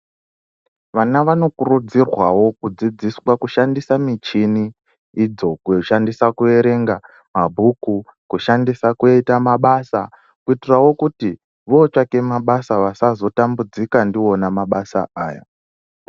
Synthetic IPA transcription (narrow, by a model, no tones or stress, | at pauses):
ʋanaʋano̞kurud͡zirwawo̞kud͡zid͡ziswakuʃandisamit͡ʃiniː | d͡zo̞kuoʃandisakue̞ɾe̞ŋɡa | mabʱukukuʃandisakueitamaɓasa | kuitirawo̞kuti | ʋo̞t͡ʃake̞maɓasaʋasazo̞tambud͡zikandio̞namaɓasa̰aːja̰